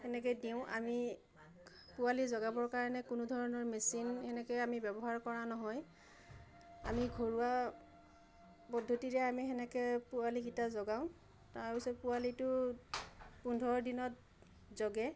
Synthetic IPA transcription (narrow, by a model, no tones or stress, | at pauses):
hɛnɛk̬ɛdiʊ̃ʔa̰mi | pʊwalizɔɡabɔɹkaɹɔnɛkʊnʊdʱɔɹɔnɔɹmesinhɛnɛkɛamibɛbɔɦaɹkɔɹanɔɦɔj | a̰miɡʱoɹuwa | pɔdʱotiɹɛamiɦɛnɛkɛpʊalikitazɔɡaʊ̃ | tajosɛpʊalitʊ | pundʱɔɹdinɔt | zɔɡɛ